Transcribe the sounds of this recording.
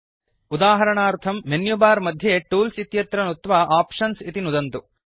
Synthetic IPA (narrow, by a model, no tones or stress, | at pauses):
ud̪aːɦɐɾɐɳaːɾt̪ʰɐmːenjubaːɾmɐd̪ʱjeʈuːlsit̪jɐt̪ɾɐnut̪ʋaʔaːpʂɐnsit̪inud̪ɐnt̪u